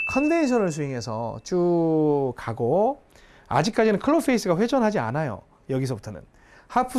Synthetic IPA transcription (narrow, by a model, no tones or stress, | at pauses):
kʰʌndenɕʰʌnɯɭs̬ʰuɦeŋɦe̞sʰʌ̰t͡ɕ͈u | kaɡo | a̰d͡ʑik͈ad͡ʑinɯnkʰɯɭːopʰeis͈ɯɡaɸwe̞d͡ʑʰʌnɦad͡ʑia̰najo̰ | jʌɡis̬ʰʌbutʰʌnɯ̰n | hapʰɯ